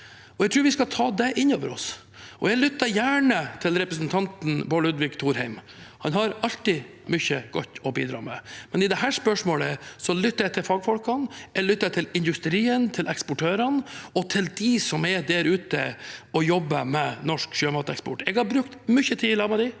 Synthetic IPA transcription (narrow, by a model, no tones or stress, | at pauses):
ɔɛɡt̪ʰɾʉːɾʋɪskɑt̪ʰɑːd̪ɛʔɪnoːʋəɾɔ̰s | ʔɔɛɡlʏt̪ːɑɾjæːɳət̪ʰɪlɾɛpɾəsn̩t̪ʰɑnt̪n̩bolʉd̪ʋɪkt̪ʰuːɾhɛɪm | hɑnhɑɾɑlt̪i | mʏçəɡɔt̪ːɔbḭːd̪ɾɑ̰ːmɛ̰mɛnɪd̪ɛhæːʂpœʂmoːləsɔlʏt̪ːɑɾɛt̪ʰɪfɑɡfɔlkɑnɛlʏt̪ːɑɛt̪ʰɪlɪnd̪ʉst̪ɾiːənt̪ʰɪlʔɛkspʊʈʰøːɾɑnɔt̪ʰɪld̪ɪsɔmɛd̪æɾʉːt̪ə̰ɔjɔbːəmɛnɔʂkʃøːmɑːt̪əɛkspɔ̰ʈːɛɡhɑɾbɾʉkt̪mʏçət̪ʰiːɪlɑməd̪i